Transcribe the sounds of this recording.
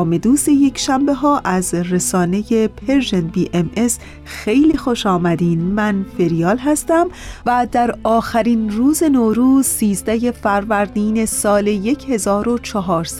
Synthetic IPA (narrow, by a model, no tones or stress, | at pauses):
me̞d̪uːseje̞cʰʃæmbe̞ɦɒːʔæzɾesɒːne̞je̞pʰe̞ɾʒenbiːʔemʔes | xe̞jliːxo̞ʃɒːmæd̪iːnmænfe̞ɾijɒːlɦæst̪æmvæd̪æɾɒːxæɾinɾuːze̞noːɾuːz̥siːzd̪æje̞fæɾvæɾd̪iːne̞sɒːle̞je̞cʰhe̞zɒːɾo̞t͡ʃʰɒɦɒːɾs